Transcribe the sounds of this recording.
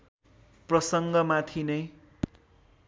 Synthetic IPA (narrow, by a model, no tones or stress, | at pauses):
prʌsʌŋɡʌmat̪ʰinʌj